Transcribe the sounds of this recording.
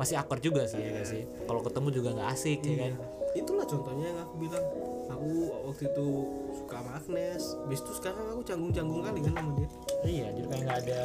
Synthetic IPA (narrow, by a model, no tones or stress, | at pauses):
masɪɦakərd͡ʒuɡasɪhjkansɪh | kalokət̪əmud͡ʒuɡaŋɡaʔːsɪk̚ɲakan | it̪ulaht͡ʃɔnt̪ɔhɲajaŋakubilaŋakuwak̚t̪uit̪usu̥kamak̚nɛsbist̪uskaɾaŋakut͡ʃaŋɡʊŋt͡ʃaŋɡʊŋkalikanamanja | ijad͡ʒʊrkanaŋɡaːda